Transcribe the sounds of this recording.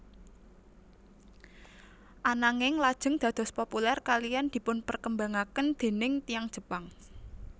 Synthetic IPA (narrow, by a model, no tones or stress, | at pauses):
ʔanaŋɪŋlad̥ʒ̥ə̤ŋd̪̥ä̤d̪̥ɔ̤spopulɛrkalijand̪̥i̤pʊnpərkəmbaŋakənd̪̥e̤nɪŋt̪ijaŋd̥ʒ̥ə̤paŋ